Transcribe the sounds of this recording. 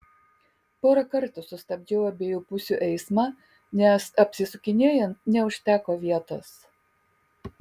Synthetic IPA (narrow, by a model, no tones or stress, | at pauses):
poːɾɐkɐɾt̪ʊsʊsʲt̪ɐbʲd͡ʒʲɛːʊɐbʲeːjuːpʊsʲuʔɛɪsmɑː | nʲɛsɐpʲsʲɪsʊkʲɪnʲeɛjɛnt̪̚nʲɛʊʃʲt̪ʲæːkoːʋʲiɛt̪o̰ːs